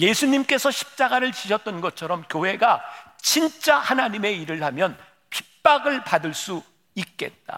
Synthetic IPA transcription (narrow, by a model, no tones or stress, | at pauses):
je̞sʰuɲimk͈e̞sʰʌɕʰi̥p̚t͡ɕ͈aɡaɾɯɭt͡ɕiɕʰʌt͈̚ʌnɡʌt͡ɕʰʌɾʌmkjoɦe̞ɡat͡ɕint͡ɕ͈ahanaɲime̞iɾɯɭhamjʌn | pʰi̥p̚p͈aɡɯɭpadɯɭs͈u | ik̚k͈e̞t̚t͈a̰